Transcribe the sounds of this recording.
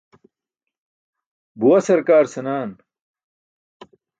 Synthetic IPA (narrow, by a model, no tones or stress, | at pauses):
buwɐsɐɾkaːɾsɐnaːn